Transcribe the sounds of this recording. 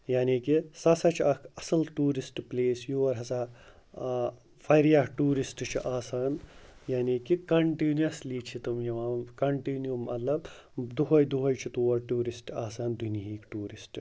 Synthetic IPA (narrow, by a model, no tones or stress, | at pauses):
jaːniːkisɐsɐt͡ʃʰɐkɐsɐlʈuːɾisʈpleːsjuːʋɐɾɦɐsaː | fʰɐɾijaɦʈuːɾisʈt͡ʃʰiʔaːsaːnjaːniːkikɐɳʈinjɐsliːt͡ʃʰit̪umjɐʋaːkɐɳʈiːnjumɐt̪lɐb | d̪uɦɐjd̪uɦɐjt͡ʃʰit̪uːʋɐɾʈuːɾisʈaːsaːnd̪uniɦiːkʈuːɾisʈ